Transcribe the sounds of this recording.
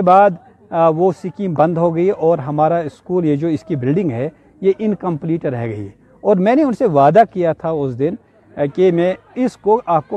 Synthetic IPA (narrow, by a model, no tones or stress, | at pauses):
ebaːd̪ | ʋosɪkĩbɐ̃nd̪ɦoɡɐiʔɔːɾɦɐmaːɾaɪskuːljed͡ʒoːɪskibɪlɖɪ̃ŋɡɦɛ | jeʔɪnkɐ̃mpliːʈəɾɛɦɡɐḭ | ɔːɾmɛ̃ːneʊnseʋaːd̪akijat̪ʰaʊsd̪ɪn | kemɛ̃ː | ɪskoʔaːp̚ko